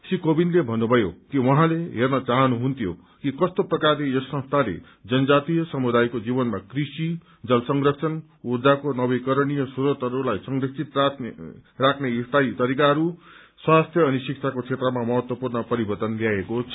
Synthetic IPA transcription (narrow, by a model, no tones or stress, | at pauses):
sikobinlebʱʌnːubʱʌjokiwʌɦãleɦernʌt͡saɦʌnuɦunt̪ʰjo̰ | kikʌst̪oprʌkarlejʌsʌ̃ŋst̪ʰalḛ | d͡zʌnʌd͡zat̪ijʌsʌmud̪ajkod͡zibʌnmakrisi | d͡zʌlsʌŋɡrʌksʰʌn | ud͡zakonʌbʌjkʌɾɽijʌsuɾʌt̪ʌɾulajsʌŋrʌksʰit̪ra | rakʰneist̪ajt̪ʌɾikaɦʌɾu | swast̪ʰjʌːnisik̚t͡sʰakot͡sʰet̪rʌmamʌɦʌt̪wʌpurnʌpʌɾibʌrt̪ʌnljaekot͡sʰʌ